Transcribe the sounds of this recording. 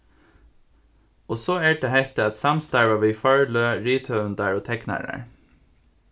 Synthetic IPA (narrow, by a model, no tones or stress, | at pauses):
oːsoːæːɖehɛht̪əɑt̪sɑmst̪æɹʋɑʋiːfɑɹløːɹiːt̪ʰœʉnd̪æːɹoːt̪ʰɛknæ̰ːɹə̰ɹ